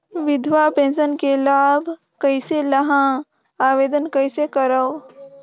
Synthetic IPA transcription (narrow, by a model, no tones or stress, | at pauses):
ʋɪd̪ʱwapẽːnsənkelaːbʱ | kəɪseləɦã | aːʋeːd̪ənkəɪsekəɾə